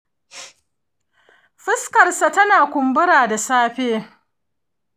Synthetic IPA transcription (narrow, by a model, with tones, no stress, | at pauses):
ɸɪ˦skɐ˨rsa˨tɐ˦naː˨kʷʊ˨mbʊ˦ɾaː˨da˨saː˦ɸeː˦